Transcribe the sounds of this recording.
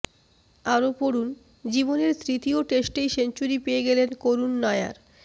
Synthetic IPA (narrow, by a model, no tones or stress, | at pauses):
aɾopoɾun | d͡ʑiboneɾt̪ʰɾit̪ioʈesʈejʃent͡ɕuɾipeeɡɛlenkoɾunːɔja̰ɾ